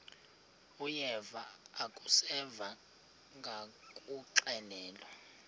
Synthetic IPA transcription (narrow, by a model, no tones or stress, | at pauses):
ujɛvaːkʼusɛva | ŋɡʱakʼuǃɛlɛːlɔ